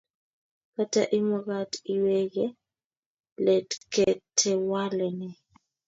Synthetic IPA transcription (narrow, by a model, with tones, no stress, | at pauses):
ka˦ta̰ʔi˦mɔ˦ɣati˦wɛ˦ɣɛ˦ | lɛtkɛ˨tʰɛ˨wa˦lɛ˨nɛ˨